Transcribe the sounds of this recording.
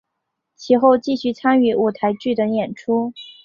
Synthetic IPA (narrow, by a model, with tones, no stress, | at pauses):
t͡ɕʰi˧˥xo˥˧ʊt͡ɕi˥˧ɕy˥˩t͡sʰa˥ny˧˥ʔu˨˩t̪ʰa˧˥ɪt͡ɕy˥˩d̪ə˨˦jɛ˨˩nʈ͡ʂʰu˥